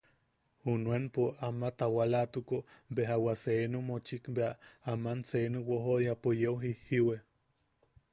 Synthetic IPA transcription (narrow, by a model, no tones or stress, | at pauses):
unwenpoamat̪awalat̪ukobeɦawaseenumot͡ʃikbeaamanseenuwoɦojapojewɦihiwe